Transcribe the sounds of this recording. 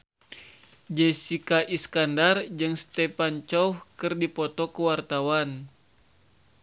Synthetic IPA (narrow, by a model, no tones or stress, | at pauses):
d͡ʒesikaʔiskandard͡ʒɨŋst̪epant͡ʃɔuhkɨrdipɔt̪ɔkəwart̪awan